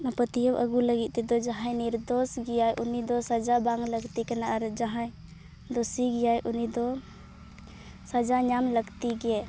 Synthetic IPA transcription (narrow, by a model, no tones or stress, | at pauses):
nəpət̪ijəbʔə̰ɡuləɡit̪̚t̪ɛd̪ɔd͡ʒaɦajniɾd̪ɔsɡɛjajʔunid̪ɔsad͡ʒabaŋɡləɡt̪ikanaʔaɾd͡ʒaɦãj | d̪ɔsiɡɛjajʔunid̪ɔ | sad͡ʒaɲamləɡt̪iɡɛ